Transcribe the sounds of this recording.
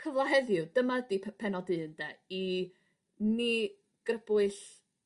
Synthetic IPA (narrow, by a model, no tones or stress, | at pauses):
kʰəvlˠaɦɛðjʊdəmadipʰɛnɔdɨndɛi | ni | ɡ̥rəb̥ʊɨɬ